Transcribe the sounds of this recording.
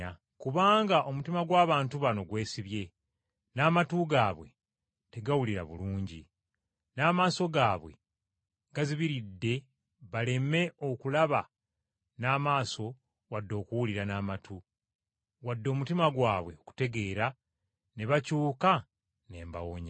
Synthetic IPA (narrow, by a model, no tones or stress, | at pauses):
a | kuβaːŋɡaʔo̞mutimaɡwaːβaːntuβano̞ɡwe̞ːsiβje̞ | naːmatuɡaːβwe̞̰ | te̞ɡawuliɾa̰βṵluːɲɟi | naːmaːso̞ɡaːβwe̞̰ | ŋɡaziβiɾidːe̞ | βale̞me̞o̞kulaβa | naːmaːso̞ | wadːo̞ːkuwuliɾanaːmatʰu | wadːo̞ːmutimaɡwaːβwe̞oku̥te̞ɡe̞ːɾa | neβacuːka | ne̞ːmba̰woɲa